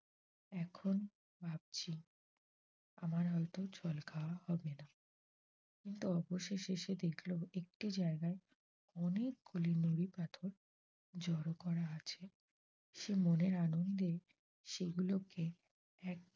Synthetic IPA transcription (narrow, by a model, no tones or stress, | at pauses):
ɛkʰon | bʱab̚t͡ɕʰi | a̰maɾɦɔjt̪ot͡ɕʰɔlkʰaoahɔbena | kint̪uɔboʃeʃeʃed̪ekʰloek̚ʈid͡ʑaeɡae | ɔnek̚ɡulinoɾipat̪ʰoɾ | d͡ʑɔɾokɔɾaat͡ɕʰe | ʃemoneɾanond̪e | ʃeɡuloke | ɛk̚